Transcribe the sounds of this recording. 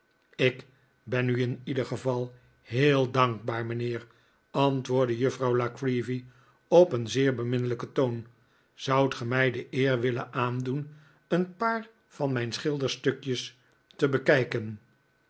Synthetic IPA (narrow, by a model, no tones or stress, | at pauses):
ɪk | bɛnyɪnidəχəvɑlˠ | ɦeːlˠdɑŋɡ̚baːɹmənɪːr | ɑntʋʊːɹdəjɵfrɑwlakɹivi | ɔpənzɪːɹbəmɪnələkətown | z̥ʌwtχəmɛjdəʔɪːɹʋɪlə̰nʔaːndun | ənpaːɹ | v̥ɑnmɛjnsχɪlˠdəɹstɵkjəs | təbəkɛjkən